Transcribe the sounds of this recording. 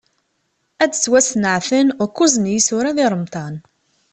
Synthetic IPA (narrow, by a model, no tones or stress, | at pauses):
ædt͡sːwæsnəʕθənʊkːuzənjisʊɾaðɪɾˤəmt̪ˤɑn